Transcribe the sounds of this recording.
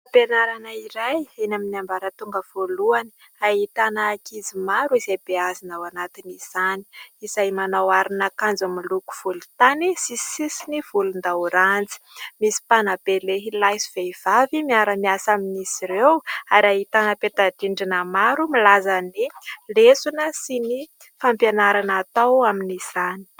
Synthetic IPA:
penaɾanaiɾajenaminiambaɾət̪uŋɡəv̥oluani̥ | aɦit̪anaːkizimaɾuizejbeazinawanat̪iniz̥ani̥izajmanawaɾinakand͡zumiluku̥v̥ulut̪anisisisiniv̥ulund̪awɾand͡zi̥misi̥panab̥eleɦilajsiv̥eiv̥avimiaɾəmiasaminisiɾewaɾaɦit̪anəpet̪adiɳɖ͡ʐinəmaɾumilazənilesunəsini | fampjanaɾanat̪awaminiz̥ani̥

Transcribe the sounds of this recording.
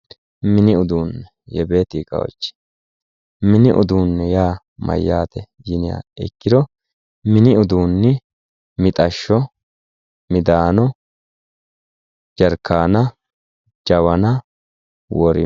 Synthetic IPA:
mɪnɪʊd̪uːnːɛ | jɛbe̞ːt̪iːkʼːɐ̰wɔ̰t͡ʃːɪ̥ | mɪnɪʔʊ̰d̪uːnːɛjaː | mɐ̰jːaːt̪ɛ | jɪnɪja̰ɛkːɪd̪ɔ | mɪnɪʊd̪uːnːɪ | mɪt̪ʼɐʃːɔ | mɪd̪aːnɔ | d͡ʒɐɾkːaːnɐ | d͡ʒɐwɐnɐ | wɔɾɪ̰

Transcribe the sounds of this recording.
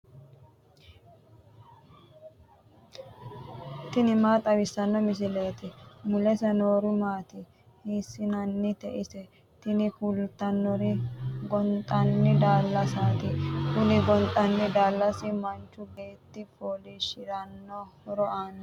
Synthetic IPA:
t̪ɪnɪmaːt̪ʼɐwɪsːɐnːɔmɪs̬ɪle̞ːt̪ɪmʊlɛsɛnoːɾʊmaːt̪ɪ | hiːsːɪnɐnːɪt̪ɛʔɪsɛ | t̪ɪnɪfʊlt̪ːɐnːɔɾɪɡɔnt̪ʼɐnːɪd̪aːlːɐsaːt̪ɪkʊlɪɡɔnt̪ʼɐnːɪd̪aːlːɐsɪmɐnt͡ʃːʊɡe̞ːt̪ːɪpʰoːlɪʃɪɾɐnːɔhɔɾɔʔaːn

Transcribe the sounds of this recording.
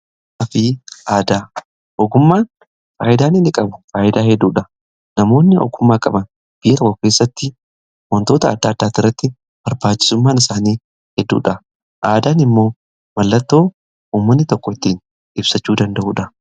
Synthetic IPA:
ʔɐfiːʔaːd̪aː | ʔɔɡʊmːaːn | faːʔɪd̪aːnɪnɪkʼɐbʊfaːʔɪd̪aːhɛd̪ːuːᶑɐ | nɐmo̞ːnːɪʔɔ̰ɡʊmːaːkʼɐbɐn | b̥ɪjkɐkɔkeːsːɐt̪ːɪ | wɔnt̪o̞ːt̪ɐɐd̪ːaːd̪ːaːt̪ːɪrːɐt̪ːɪ | b̥ɐɾbaːt͡ʃːɪ̥sʊmːaːnɪsaːniː | hɛd̪ːṵːᶑɐ | ʔaːd̪aːnɪmːo̞ː | mɐlːɐt̪ːo̞ː | uːmːɐnːɪt̪ɔkːɔɪt̪ːiːn | ɪbsɐt͡ʃːuːd̪ɐnd̪ɐʔuːᶑɐ

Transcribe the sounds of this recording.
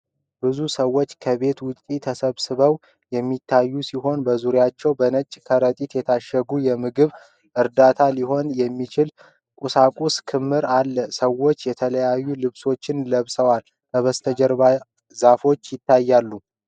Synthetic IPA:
bɨzusəwːo̞t͡ʃːkʰəβe̞t̪wʊt͡ʃʼit̪ʰəsəβsɨβəw | jɛmːit̪ʰːajːusiɦo̞nbəzuɾjat͡ʃːɛwbənət͡ʃʼkʰəɾət̪ʼit̪jɛt̪ʰaʃəɡujɛmɨɡɨβ | ʔɨɾd̪at̪ʰaliho̞njɛmːit͡ʃʰɪl | kʼusakʼuskʰɨmːɨɾalːəsəwo̞t͡ʃːjɛt̪ʰələjajːulɨβso̞t͡ʃːɪnləβsəwal | kʰəβəst̪ʰəd͡ʒəɾba | zafo̞t͡ʃːjɪt̪ʰːajːalːu

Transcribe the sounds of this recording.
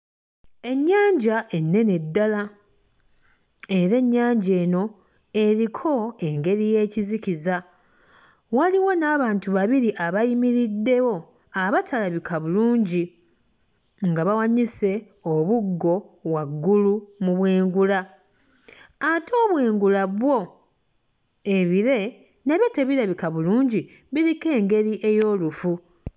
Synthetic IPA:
e̞ɲːaːɲɟaʔe̞nːe̞ne̞dːala | e̞ɾe̞ɲːaːɲɟe̞ːno̞ | e̞ɾikʰo̞e̞ŋɡe̞ɾije̞ːciziciza | waliwo̞naːβaːntuβaβiɾiʔaβajimiɾidːe̞wo̞ | aβatʰalaβikʰaβuluːɲɟi | ŋɡaβawaɲise̞ | oβuɡːo̞βwaɡːulumuβweːŋɡula | atʰo̞ːβwe̞ːŋɡulaβwo̞ | e̞βiɾe̞ | neβjateβiɾaβikaβuluːɲɟi | βiɾike̞ːŋɡe̞ɾiʔe̞jo̞ːlufu

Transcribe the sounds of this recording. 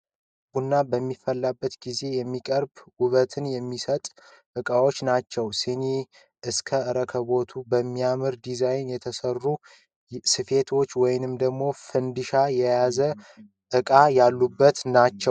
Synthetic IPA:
bunːabəmːifːəlːabːət̪ɡize̞jɛmːikʼəɾbuβət̪ʰɨnjɛmːisət̪ʼ | ʔɨkʼawo̞t͡ʃːnat͡ʃːɛwseni | ʔɨskʰəɨɾəkʰəβo̞t̪ʰubəmːijamɨɾd̪izajnjɛt̪ʰəsərːu | sɨfe̞t̪ʰo̞t͡ʃːwɔjɪnɨmd̪əɡmo̞fɨnd̪ɨʃajɛjazə | ʔɨkʼajalːubːət̪nat͡ʃːɛw

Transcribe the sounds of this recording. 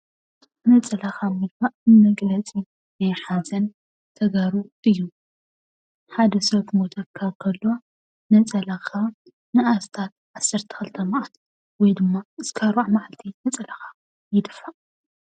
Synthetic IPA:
nɐt͡sʼɐlaxamɨd̪baʔmɐɡlɐt͡sʼi | najħazɐn | t̪ʰɐɡaɾuɨjːu | ħad̪ɐsɐtmot̪ʰɐkʰakʰɐlːoa | nɐt͡sʼɐlaxʰa | nɨast̪ʰat̪̚ʕasːɐɾt̪ʰɐ̥xɨlt̪ʰɐmaʔat̪ | wɔjd̪ɨmːaɨskʰaɾβaʕmaʕalt̪ʰinɐt͡sʼɐlaxa | jɪd̪ɨfːaʔ

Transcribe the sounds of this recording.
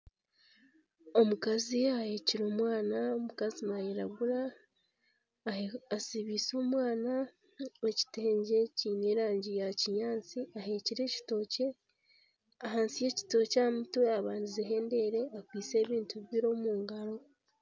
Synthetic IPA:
o̞mukaziahe̞ːciɾo̞ːmwaːnaomukazimajeɾaɡuɾa | asiβiːso̞ːmwaːna | eci̥teːɲɟeciːne̞ːɾaːɲɟijaciɲaːnt͡siaɦe̞ːciɾe̞ːci̥to̞ce̞ | aɦaːnsije̞ci̥to̞camutweaβaːndizeɦe̞ːnde̞ɾe̞akwiːse̞ːβiːntuββiɾo̞muːŋɡaɾo̞

